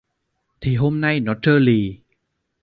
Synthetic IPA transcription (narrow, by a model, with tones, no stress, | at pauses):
t̪ʰi˨˩˦ɦo˥˩˨mna˥˩jnɔ˦˥t̪ʰːɤː˥˩liː˧˩